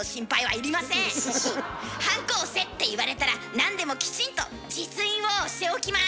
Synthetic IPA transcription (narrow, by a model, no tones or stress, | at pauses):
oɕĩmpaiβ̞a̰iɾʲimasẽ | hãŋko̞ːse̞t̪ːe̞iβaɾe̞t̪aɾanãnd̪e̞mo̞kʲi̥t͡ɕĩnt̪o̞ | d͡ʑit͡sɨĩɰ̃o̞ɕt̪e̞okʲima